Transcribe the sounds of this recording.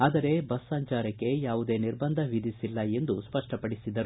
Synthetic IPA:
aːd̪ɐɾe̞bɐsːaːɲt͡ʃaːɾɐkːe̞jaːʋud̪e̞ːniɾbɐnd̪ʱɐʋid̪ʱisilːɐe̞nd̪uspɐʂʈɐpɐɽisid̪ɐɾu

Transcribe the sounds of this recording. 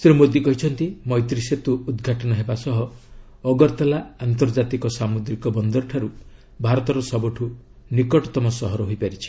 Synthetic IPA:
sɾumod̪jikɔɦit͡ʃʰɔnt̪imɔjt̪ɾiset̪uːd̪ɡʱaʈɔnɔɦebasɔɦɔː | ɡɔɾt̪alaant̪ɔɾd͡ʒat̪ikɔsamud̪ɾikɔbɔnd̪ɔɾʈʰaɾu | bʱaɾɔt̪ɔɾɔsɔbɔʈʰu | nikɔʈɔt̪ɔmɔsɔɦɔɾɔɦojpaɾit͡ʃʰi̥

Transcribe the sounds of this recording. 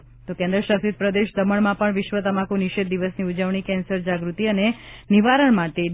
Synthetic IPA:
t̪okɛ̃nd̪ɾəʃasit̪̚pɾəd̪eʃd̪əməɭmãpəɳʋɪʃʋət̪əmãkũniʃet̪̚d̪iʋəsniud͡ʒəʋɳ̃ikɛ̃nsəɾd͡ʒaɡɾut̪iəneniʋaɾəɳmãʈe

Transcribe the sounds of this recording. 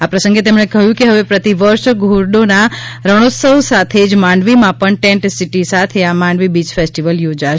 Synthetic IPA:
apɾəsə̃ŋɡet̪emɳ̃ekəɦjũkeɦəʋepɾət̪iʋəɾʃɡʱuɾɖonaɾəɽ̃ot̪səwsat̪ʰed͡ʒmaɳɖʋimãpəɳʈẽɳʈsiʈisat̪ʰeamaɳɖʋibit͡ʃfʰesʈiʋəljod͡ʒaʃ

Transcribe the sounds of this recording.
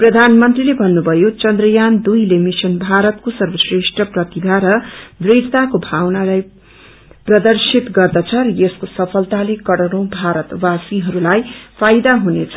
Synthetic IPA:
prʌd̪ʱanmʌnt̪rilebʱʌnːubʱʌjot͡sʌnd̪rʌjand̪ujlemisʌnbʱaɾʌt̪̚kosʌrbʌsreʂʈʌprʌt̪ib̪ʱaɾʌd̪riɽt̪akobʱawnalaj | prʌd̪ʌrsit̪ɡʌrd̪ʌt͡sʰʌɾʌjeskosʌpʰʌlt̪alekʌɽʌɽõbʱaɾʌt̪wasiɦʌɾulajpʰajd̪aɦunet͡sʰʌ̥

